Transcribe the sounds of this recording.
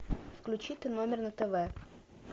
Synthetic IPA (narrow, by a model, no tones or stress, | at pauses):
fklʲʉt͡ɕit̪ɨnomʲɪrnət̪ɛvɛ